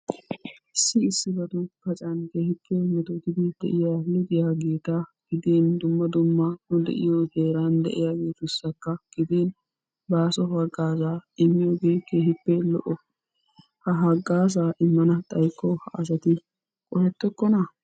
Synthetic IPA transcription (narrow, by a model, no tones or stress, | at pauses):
ʔɪsːɪːsːɪbɐd̪ʊkɐt͡ʃʼɐnkeːhɪpːemɛt̪ot̪ɪd̪ɪd̪̥ɛ̰ʔɪjaːlɪd̪ɪjaːɡe̞ːt̪aɡ̥ɪd̪eːnd̪ʊmːɐd̪ʊmːɐnʊd̪ɛ̰ʔɪ̰joheːɾand̪ɛ̰ʔɪjaːɡe̞ːt̪ʊsːɐkːɐɡ̥ɪd̪eːn | baːsɔhɐɡːaːzaːɪmːɪjoɡeːkeːhɪpːelɔ̰ʔɔ | hɐɦɐɡːaːz̬aːʔɪmːɐnɐt̪ʼɐjkʰːɔhɐʔɐsɐt̪ɪ | kʼɔhɛt̪ːɔkːɔnɐ